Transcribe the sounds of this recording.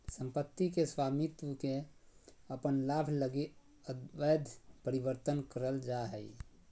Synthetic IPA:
sə̃mpət̪ːikeswamit̪wəke | əpənlabʱʰləɡi | əd̪bəjd̪ʱpəɾibəɾt̪ənkəɾəld͡ʒaɦɛi

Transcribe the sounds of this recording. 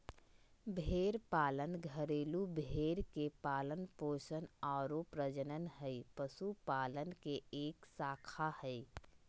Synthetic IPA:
bʱeːɾpaːlənɡʱəɾeːlubʱeːɾkepaːlənpoːʃənaːɾopɾəd͡ʒənənɦɛipəsupaːlənkeeːksaːkʰahɛi

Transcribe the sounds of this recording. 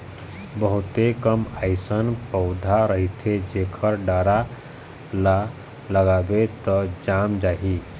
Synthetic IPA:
bəɦʊt̪ekəmaɪsənpəʊd̪ʱaɾəɦit̪ʰed͡ʒekʰəɾɖaɾa | la | ləɡaːbet̪ɔd͡ʒamd͡ʒaːɦi

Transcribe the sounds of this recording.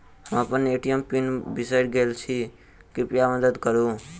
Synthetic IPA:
ɦãpəneʈijəmpinbɪsajɖɡelt͡ʃʰi | kipijaməd̪əd̪kəɾũː

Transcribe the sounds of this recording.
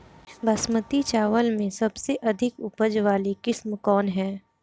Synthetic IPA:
bʱɐsmət̪it͡ʃaːʋəlmẽsɐbseʔɐd̪ʱɪkʊpəd͡ʒʋaːlikɪsmkɔːnɦɛː

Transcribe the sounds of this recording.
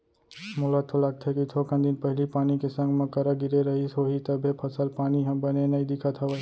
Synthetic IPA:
mʊlat̪ʰːolaɡ̚t̪ʰekit̪ʰokʰə̃nd̪ɪnpəɦɪlipaːnikesə̃ŋɡmẽkəɾəɡɪɾeɾəɦioɦit̪əbʱepʰəsəlpaːniɦɐ̃bənenɐĩd̪ɪkʰət̪ʰɐʋə

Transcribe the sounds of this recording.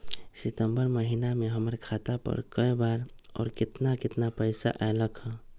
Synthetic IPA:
sit̪əmbəɾməɦinameɦəməɾkʰat̪apə̰ɾkəebaɾɔ̰ːɾkɪt̪nakɪt̪napəɪsa̰ʔaeləkɦə̃

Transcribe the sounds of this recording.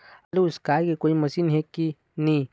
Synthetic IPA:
ɐluskaːjkekoimɐsinɦekːi | nĩ

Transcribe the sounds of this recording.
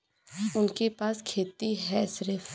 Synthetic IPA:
ʊnkepaːskʰeːt̪iɦɛsɾef

